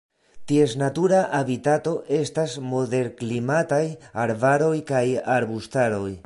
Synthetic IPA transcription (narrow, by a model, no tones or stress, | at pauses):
tie̞snatuɾaʔabitato̞ʔe̞stasmo̞de̞ɾklimatajaɾvaɾo̞jkajaɾbustaɾo̞j